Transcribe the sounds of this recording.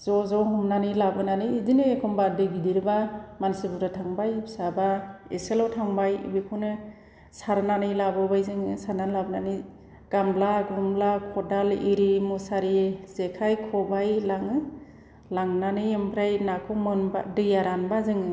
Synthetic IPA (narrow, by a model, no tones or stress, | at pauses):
zɔzɔɦɔmnanɯlabɯnanɯːzinɯekʰɔmbadɯɡidiɾɯbamansɯbuɾatʰaŋbajbsabaeselɔtʰaŋbajḭbikʰunɯ | saɾnanɯjlabɯbajzɯŋɯsaɾnanlabɯnani | ɡ̥amblaɡɔmlakʰɔdaliɾimusaɾizekʰajkʰɔbajlaŋɯ | laŋnanɯɯmpʰɾajnakʰɔmɯnba̰dɯjaɾanbazɯŋɯ